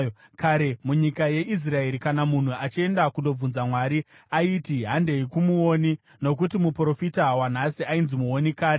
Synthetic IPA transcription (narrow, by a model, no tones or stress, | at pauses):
kaɾemuɲikaje̞is̬rae̞ɾikanamun̤uat͡ʃie̞ndakundo̞b͡vunzamwaːɾi | aitiɦande̞ikumuoːni | no̞k̬utimupro̞fitawan̤asiainzimuo̞nikaːɾe